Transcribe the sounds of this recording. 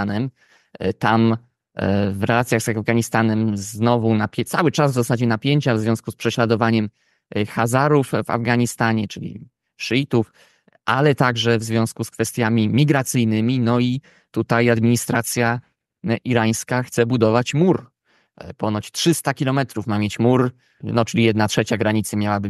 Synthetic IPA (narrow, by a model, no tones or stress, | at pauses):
anɛm | t̪am | vɾɛlat̪sʲjaɣz̥aavɡaɲist̪anɛmznɔvunapʲt̪sawɘt͡ʂazzɔsad͡ʑɛnapʲjeɲt͡ɕavzvʲjɔ̃skuspʂɛɕlad̪ɔvaɲɛm | xazaɾufva̰vɡaɲist̪aɲɛt͡ʂɘlʲḭ | ʂit̪uf | ʔalɛt̪aɡʐɛvzvʲjɔ̃skuskfɛst̪ʲjamʲimʲiɡɾat̪sɘjnɘmʲinɔi | t̪ut̪ajad̪mʲiɲist̪ɾat̪sʲja | ʔiɾaj̃skaxt̪sɛbud̪ɔvat͡ɕmuɾ | pɔnɔt͡ɕtʂɘst̪akʲilɔmɛt̪ɾufmamʲjet͡ɕmuɾ | nɔt͡ʂɘlʲijɛd̪natʂɛt͡ɕaɡɾaɲit̪samʲjawabɘ